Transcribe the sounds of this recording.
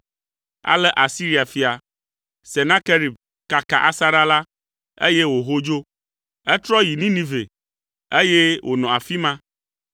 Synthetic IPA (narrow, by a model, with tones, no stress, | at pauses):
a̰˨lɛ˦ʔa˨si˦ɾi˦a˨fi˨a˨ | se˨nã˦ke˦ɾi˨b̚ | ka˨ka̰˨ʔa˦sa˦ɾa˦la˦ | ḛ˦je˦wo˨ɦo˦d͡ʒo˦ | ɛ˦t̪ɾɔ˦ji˨nĩ˦nĩ˦vḛ˨ | e˦je˦wʔo˨nɔ̃˨a˨fi˦mã˦